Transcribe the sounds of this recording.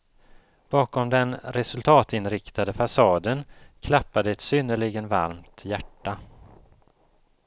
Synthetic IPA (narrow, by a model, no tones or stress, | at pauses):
b̥ɑːkɔmd̪ɛnɾɛsɵlt̪ʰɑːt̪ɪnɾɪkt̪ad̪əfasɑːd̪ənkʰlapːad̪əɛt̪sʏnːəɭɪɡənva̰ɾmt̪jæʈːa